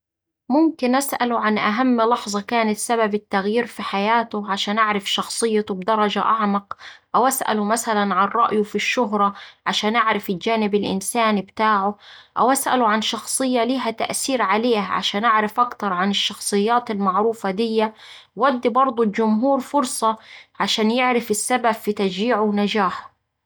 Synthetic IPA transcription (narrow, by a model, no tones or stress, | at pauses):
mʊmkɪnʔasʔa̰lʕanʔaɦamːlɑħzˤɑkaːnat̪sababɪt̪ːaɣjiːɾfiħajaːt̪ʊʕaʃaːnʔaʕɾɪfʃɑxsˤɨjːat̪ʊbd̪ɑɾˤɑd͡ʒaʔɑʕmɑqʔawʔasʔa̰lʊmasalanʕanˤːɑʔjʊfiʃːʊɦɾˤɑʕaʃaːnʔaʕɾˤɪfɪld͡ʒaːnɪbɪlʔɪ̰nsaːnbt̪aːʕʊʔa̰wʔasʔa̰lʊʕanʃɑxsˤɨjːaliːɦat̪a̰ʔsiːɾʕaleːhaʕa̰ʃaːnʔaʕɾɪfʔakt̪ɑɾˤʕanɪʃːɑxsˤɨjːaːt̪almaʕɾuːfad̪ɪjːaː | ad̪ːibɑɾˤd̪ˤʊld͡ʒʊmɦuːɾfʊɾˤsˤɑʕaʃaːnjɪʕɾɪfɪsːababfit̪ad͡ʒiːʕʊwnad͡ʒaːħ